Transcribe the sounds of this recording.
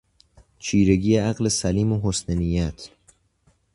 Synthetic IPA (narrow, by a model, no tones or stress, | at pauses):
t͡ʃʰiːɾe̞ɡijeæɢlesæliːmoɦosnenijæt̪ʰ